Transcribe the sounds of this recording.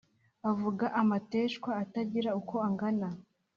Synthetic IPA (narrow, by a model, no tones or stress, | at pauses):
avuɡaʔamate̞ːʃkwaːtaɟiɾauko̞aŋɡana